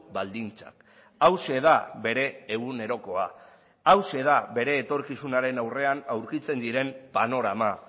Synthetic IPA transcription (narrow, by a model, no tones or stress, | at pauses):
bald̪int͡sa̰k | awse̞ðaβe̞ɾe̞ːɣune̞ɾo̞ko̞a | awse̞ðaβe̞ɾe̞ːt̪o̞ɾkisunaɾe̞nawre̞anawɾkit͡se̞nd̪iɾe̞mpano̞ɾama